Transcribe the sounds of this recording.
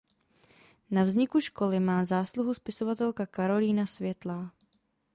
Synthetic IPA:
navzɲɪkuʃko̞lɪmaːzaːsluɦuspɪso̞vat̪ɛlkakaɾo̞liːnasvjɛt̪laː

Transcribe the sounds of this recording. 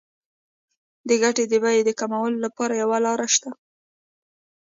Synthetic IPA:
d̪əɡaʈed̪əbajed̪əkamawəlolapɑɾajawalɑɾaʃt̪a

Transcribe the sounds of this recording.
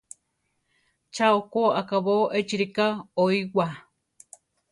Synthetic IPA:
t͡ʃaokoakaβoʔet͡ʃiɾikaoiwa

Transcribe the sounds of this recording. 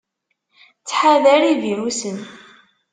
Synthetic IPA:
t͡sːħaðæɾiðimusən

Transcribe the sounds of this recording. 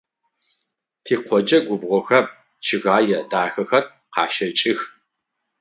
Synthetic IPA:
tʰiːqʷʰɔd͡ʒɐɡʷʊbʁʷɔxɐ | t͡ʃʰɪɣaːjɛdaːxɐxɐr | qɑːʃɐt͡ʃʼɪx

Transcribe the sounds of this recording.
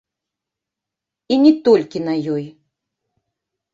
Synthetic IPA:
inʲɛt̪ɔlʲkʲinɐjɔj

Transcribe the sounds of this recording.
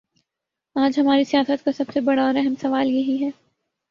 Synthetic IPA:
aːd͡ʒɦɐmaːɾisijaːsət̪̚kasɐbsebɐɽaɔːɾɛɦɛmsɐʋaːljɐɦiɦɛː

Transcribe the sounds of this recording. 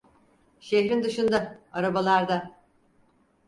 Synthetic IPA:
ʃeɦɾind̪ɯʃɯnd̪aaɾabalˠaɾd̪a

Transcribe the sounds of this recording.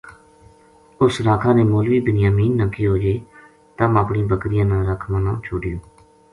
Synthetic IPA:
ʊsɾaːkʰaːneːmoːlʋiːbənjaːmiːnːəkːiːɦoːd͡ʒeː | t̪əməpɳĩːbəkɾɪjãːnaːɾəkʰmənãːt͡ʃʰoːɖɪjõː

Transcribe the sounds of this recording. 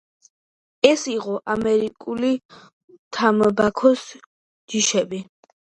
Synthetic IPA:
ɛsiʁɔʔamɛɾikʼuli | t̪ʰambakʰɔs | d͡ʒ̥iʃɛbi

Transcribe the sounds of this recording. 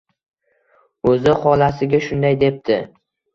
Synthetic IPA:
ɵzɪχɒlasɪɡʲaʃʊnd̪ajd̪e̞p̚t̪ʰɪ

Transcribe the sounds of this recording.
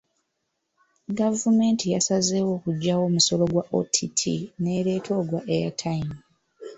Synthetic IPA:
ɡavume̞ːntijasazeːwo̞ːkuɟːawo̞ːmuso̞lo̞ɡwaʔo̰tʰitʰḭne̞ːɾe̞ːtʰo̞ːɡwaʔeja̰tʰaim

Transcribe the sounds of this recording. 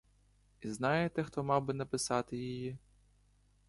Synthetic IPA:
iznɑjet̪ɛxt̪ɔmɑwbɪnɐpɪsɑt̪ɪjiji

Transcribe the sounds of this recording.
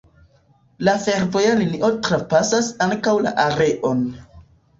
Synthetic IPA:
lafe̞ɾvojaliniʔo̞tɾapasasaŋkawla̰ʔaɾe̞ʔo̞n

